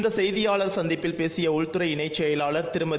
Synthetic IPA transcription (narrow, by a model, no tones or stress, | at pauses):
nd̪ɐsɛjðɪjaːɭɐɾsɐnd̪ɪpːɪlpeːsɪjɐʊɻt̪ɯɾɐɪɪɳɐɪt͡ʃːɐjɐɪlaːɭɐɾt̪ɪɾɯmɐ